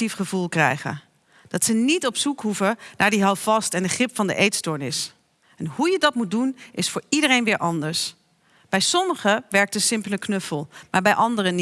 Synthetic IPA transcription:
tifχəvulˠkrɛ̰jχə̰ | d̥ɑtsənitɔpsukɦuvənʔaːɹdiɦɑwfɑstɛndəχrɪpfɑndə̰ʔejtstɔɹnɪs | ɛnɦujədɑtmut̚dunʔɪsfʊːɹidərejnʋɪːɹʔɑndəɹs | b̥ɛjsɔməχəʋɛɹk̚tdəsɪmpləknɵfəlˠmaːɹbɛjʔɑndərən

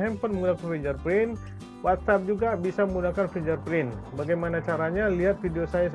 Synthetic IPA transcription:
ɦɛmpɔnməŋɡunakanfid͡ʒarpɾɪn | wat̪sap̚d͡ʒuɡabisaməmunakanfid͡ʒarpɾɪnbaɡajmanat͡ʃaɾaɲaliɦat̪̚fideosajas

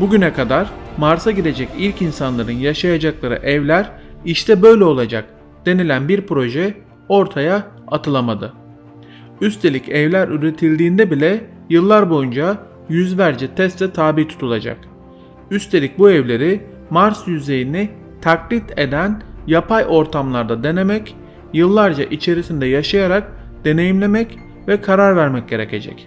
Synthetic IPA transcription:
buɟynɛkʰad̪aɾmaɾsaɟid̪e̞d͡ʒɛcilʲcinsanlˠaɾɯnjaʃajad͡ʒaklˠaɾɯ̰ʔɛvlʲæɾiʃt̪ʰɛbø̞jlʲɛo̞lˠad͡ʒa̰k̚ | d̪̥e̞nilʲænbiɾpɾo̞ʒɛ | o̞ɾt̪ʰajaː | t̪ʰɯlˠamad̪ɯ | yst̪ʰe̞lʲicɛvlʲæɾyɾe̞t̪ʰilʲd̪iːnd̪ɛbilʲɛ | jɯlˠːaɾbojund͡ʒa | jyzvæɾd͡ʒɛt̪ʰɛst̪ʰɛt̪ʰaːbiːt̪ʰu̥t̪ʰulˠad͡ʒa̰k | yst̪ʰe̞lʲic̚buɛvlʲe̞ɾi | maɾsjyze̞jini | t̪ʰaklʲit̪ʰe̞d̪ænjapʰajʔo̞ɾt̪ʰamlˠaɾd̪ad̪e̞ne̞mɛc | jɯlˠːaɾd͡ʒa̰ʔit͡ʃʰe̞ɾisind̪ɛjaʃajaɾak̚ | d̪̥e̞ne̞jimlʲe̞mɛc | vɛkʰaɾaɾvæɾmɛc̚ɟʲe̞ɾe̞cʰe̞̰d͡ʒɛ̰c

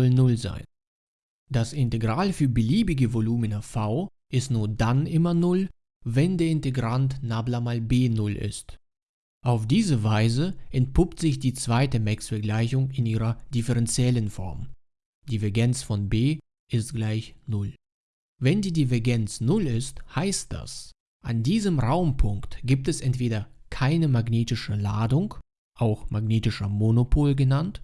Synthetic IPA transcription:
ɔlnʊlza̰ɪn | d̥asɪnteɡʁaːlfyːɐbəliːbɪɡəvoluːmənafaʊ | ʔɪstnuːɐdanʔɪmɐnʊl | vɛndeːɐɪnteɡʁantnaːblamalbeːnʊlʔɪ̰st | ʔaʊfd̥iːzəvaɪzəʔɛnt̚pʰʊptz̥ɪçd̥iːt͡sv̥aɪtəmɛksfɛɐɡlaɪçʊŋɪnʔiːʁɐd̥ɪfəʁɛnt͡sjɛlənfɔ̰ɐm | d̥ivɛɐɡɛnt͡sfɔnbeː | ʔɪstɡ̥laɪçnʊl | vɛndiːdivɛɐɡɛnt͡snʊlɪsthaɪst̚d̥a̰s | ʔandiːzəmʁaʊmpʰʊŋktɡ̥iːp̚tɛsʔɛntv̥eːdɐkʰaɪnəmaɡneːtɪʃəlaːdʊŋ | ʔaʊxmaɡneːtɪʃɐmonopʰoːlɡənant

